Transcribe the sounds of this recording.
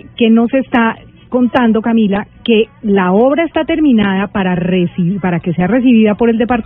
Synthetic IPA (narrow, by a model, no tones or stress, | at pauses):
ke̞no̞se̞st̪a | ko̞nt̪and̪o̞kamilake̞lao̞βɾaest̪at̪e̞ɾmĩnaðapaɾaresipaɾake̞se̞are̞s̬iβiðapo̞ɾe̞ld̪epaɾt̪